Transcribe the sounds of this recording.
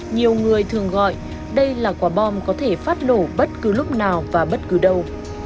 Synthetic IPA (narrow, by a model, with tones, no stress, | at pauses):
ɲi˨˩əwŋɨ˨˩əjt̪ʰɨ˨˩əŋɣɔ̰˧˨jʔ | ɗə˧jlaː˨˩kwaː˨˦ɓɔ˧mkɔ˨˦t̪ʰe˧˩faː˦˥t̚no˧˩ɓə˦˥t̚kɨ˨˦lʊ˦˥k͡p̚naː˨˩wvaː˨˩ɓə˦˥t̚kɨ˨˦ɗə˧w